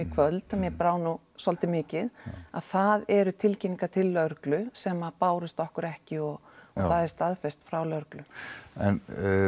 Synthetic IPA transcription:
ikʰvœlt̪amjɛpɾaːwnu | sɔlt̪ɪmɪːcɪða̰ðθaðɛɾʏt̪ʰɪlciniŋkat̪ʰɪlːœɾklʏsɛmapaːwɾʏst̪ɔhkʏɾɛhcɪɔɣ | ɔθaðɛɾst̪aðfɛst̪fɾawlœɾklʏɛ̰n

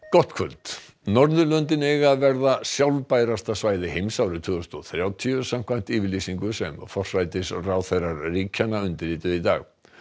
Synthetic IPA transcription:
kɔht̪kʰœlt̪ | nɔɾðʏlœnt̪ɪnɛɣavɛɾðasjawlpajɾast̪asvaːjðɪɦejmsawɾʏt̪ʰʏːɣʏst̪ɔθɾjawt̪ʰiʏsam̥kʰvam̥t̪iːvɪɾliːsiŋkʏsɛ̰mfɔr̥sajt̪ɪsraːwθejraɾriːcʰanːaʏnt̪ɪɾiːt̪ʏit̪a̰ːɣ

